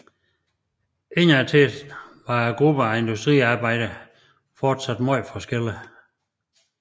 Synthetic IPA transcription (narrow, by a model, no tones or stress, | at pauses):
e̝næt͡sʰeʋɑ̈ɡ̥ʁub̥əæe̝nd̥usd̥ʁḭːɑ̈ːb̥ɑ̈ɪ̰ɾ̥ə | fɒːd̥sæd̥mɒɪ̰fɒsɡ̥el̰ə